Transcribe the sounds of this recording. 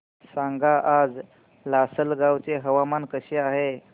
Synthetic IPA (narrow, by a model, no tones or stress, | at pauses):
saŋɡaʔad͡z | lasəlɡawt͡seɦəʋamankəɕeaɦe